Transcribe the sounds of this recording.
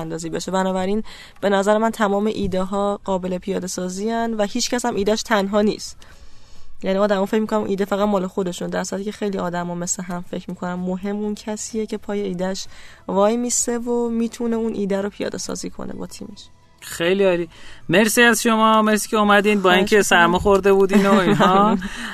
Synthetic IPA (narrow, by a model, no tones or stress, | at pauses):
nd̪ɒːziːbeʃe̞bænɒːbæɾin | b̥e̞næzæɾemænt̪ʰæmɒːmeʔiːd̪eɦɒːɢɒːbe̞lepʰijɒːd̪e̞sɒːziːænvæhiːt͡ʃcʰæsæmʔiːd̪æʃt̪ʰænɦɒːniːst̪ | jæniɒːd̪æmɔːfe̞cmikʰonæmʔiːd̪fæɣæt̪mɒːloxo̞d̪e̞ʃund̪æɾsuɾæt̪iːcʰe̞xejliɒːd̪æmɒme̞sleɦæmfe̞cʰmiːkʰo̞næmːoɦe̞mːuncʰæsiːjecʰe̞pʰɒːjeiːd̪æʃvɒːjmisevomiːt̪ʰune̞unʔiːd̪æɾopʰijɒ̰ːd̪e̞sɒ̰ːziːkʰo̰nḛbɒ̰ːt̪ʰḭːme̞ʃ | xejliɒːlime̞ɾsiːæzʃomɒːme̞ɾsiːcʰʲeumæd̪iːnbɒːiːŋcʰesæɾmɒxoɾd̪e̞buːd̪iːnoiːnɦɒ